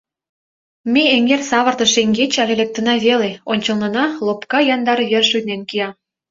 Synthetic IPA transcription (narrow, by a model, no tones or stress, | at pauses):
meeŋersɑβə̆rt̪ə̆ʃeŋɡet͡ɕɑlelek̚t̪ə̆nɑβeleonʲt͡ɕəlnɤ̆nɑlopkɑjɑnd̪ɑɾβerʃynenkijɑ